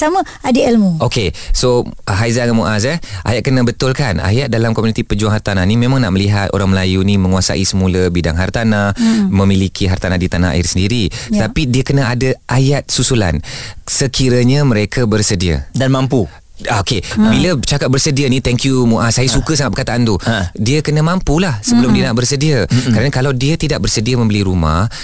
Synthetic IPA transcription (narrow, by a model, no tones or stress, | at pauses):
samə̃ | adiɛlmuokesoɦajzaŋəmuʔas̬ɛʔa̰jat̪̚kənəbət̪ʊlkana̰jat̪̚dalamkɔmunit̪ipəd͡ʒuaŋɦart̪ananimẽmaŋnaʔməliɦat̪o̰ɾaŋməlajunĩmə̃ŋuasa̰ʔisəmuləbida̰ŋɦart̪anamə̃milikʰiɦart̪anadit̪anaa̰ɪrsəndiɾit̪apidiəkənaadəʔajat̪̚susula̰nsəkʰiɾəɲəmə̃ɾekʰəbərsədiə̰danmampu | okebilət͡ʃakat̪̚bərsədiənit̪ɛŋkjumuʔasajəsukəsaŋat̪̚bəkat̪aʔant̪udiəkənəmampulahsəbəlʊmdiənaʔbərsədiaəkəɾanəkalawdiət̪idaʔ̚bərsədiəmə̃mbəliɾuma̰h